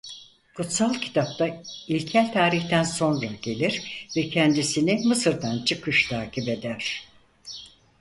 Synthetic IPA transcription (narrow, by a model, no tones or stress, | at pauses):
kʰut̪salˠcʰi̥t̪ʰap̚t̪ʰailʲcʰælʲt̪ʰaːɾiçt̪ʰænso̞nɾaɟe̞lʲiɾvɛcʰɛnd̪isinimɯsɯɾd̪ant͡ʃʰɯkʰɯʃt̪ʰaːcʰibe̞d̪æɾ̥